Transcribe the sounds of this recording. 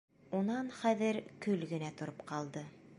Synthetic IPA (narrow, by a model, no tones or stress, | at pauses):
unɑnχæðɘɾkɵlɡɘ̆næt̪ŏɾopqɑlˠd̪ɤ